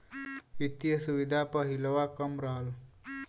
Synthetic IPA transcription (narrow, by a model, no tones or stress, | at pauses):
it̪jəsuʋid̪ʱapəɦiləʋakəmɾaɦəl